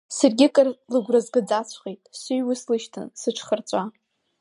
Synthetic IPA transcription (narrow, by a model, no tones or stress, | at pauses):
sarɡʲɪkʼrlɨɡʷrɨzɡɨd͡zat͡sʷʰχejtʼsujwʊslɨʃtʰɨ̰nsɨʈ͡ʂʰχərt͡sʷʼa